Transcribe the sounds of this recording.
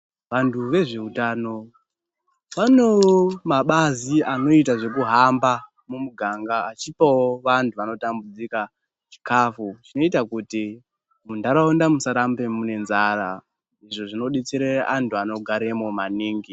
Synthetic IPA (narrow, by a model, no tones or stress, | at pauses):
ʋantʰuʋe̞ʐe̞utano̞ | ʋano̞womaɓaziano̞itaʐe̞kuɦamba | mumuɡʱaŋɡaːt͡ʃipawoʋantʰuʋano̞tambud͡zika | t͡ʃi̥kafut͡ʃino̞itakuti | mundaɾaondamusaɾambe̞mune̞nzaɾa | iʐo̞ʐino̞ɗet͡seɾeʔantʰuano̞ɡʱaɾemo̞maniːŋɡi